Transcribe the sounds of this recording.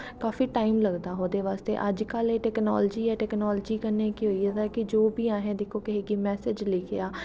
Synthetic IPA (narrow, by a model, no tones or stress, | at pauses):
kaːfiːʈaːimləɡd̪aːɦoːd̪eːʋaːst̪ḛːʔəd͡ʒkəleːʈɛːknɔ̰ːld͡ʒiːɛːʈɛːknɔːld͡ʒiːkəneːkiːɦoːiːɛd̪aːkɪd͡ʒoːbiːãːɦẽːd̪ɪkʰoːkɪɦeːɡiːmɛːsɪd͡ʒlɪkʰeaː